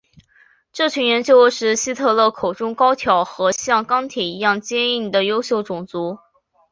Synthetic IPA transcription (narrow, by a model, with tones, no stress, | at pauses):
ʈ͡ʂɤ˥˩t͡ɕʰy˧˥ŋɥɛ˧˥nt͡ɕjo˥ʊʂɻ̩˥˩ɕi˥t̪ʰɤ˥˧lɤ˥˩kʰo˨˩ʊʈ͡ʂʊ˥ŋkɑ˥ʊt̪ʰjɑ˧˥ʊxɤ˧˥ɕjɑ˥˩ŋkɑ˥ŋt̪ʰjɛ˨˩i˧˥jɑ˥˩ŋt͡ɕjɛ˥ni˥˩ŋd̪ə˩jo˥ʊɕjo˥˩ʊʈ͡ʂʊ˨˩ŋt͡su˧˥